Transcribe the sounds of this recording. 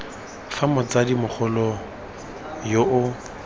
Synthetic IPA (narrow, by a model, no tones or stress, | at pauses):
famɔt͡sadimʊχʰʊlɔ | joʔʊ